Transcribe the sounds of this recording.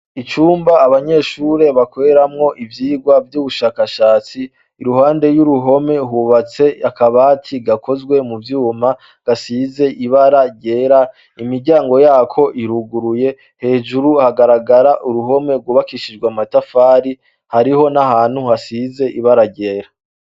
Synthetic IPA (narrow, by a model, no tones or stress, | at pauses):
it͡ʃuːmbaːβaɲe̞ːʃuːɾe̞βakoɾeɾamŋo̞ʔivjiːɡwavjuːβuʃaːkaʃaːt͡siː | ɾuɦaːnde̞juɾuɦo̞me̞ɦuβat͡se̞akaβaːtʰiɡakʰo̞zɡwe̞muvjuːma | ɡ̥asiːze̞ʔiβaɾaɟe̞ːɾa | imiɾɟaːŋɡo̞jaːkʰo̞ʔiɾuɡuɾuje̞ | he̞ːʒuɾuhaɡaɾaɡaɾaʔuɾuɦo̞me̞ɾɡwuːβakiʃid͡ʒɡwamatafaːɾi | haɾiɦo̞nahaːn̥huhasize̞ʔiβaɾaɟe̞ːɾa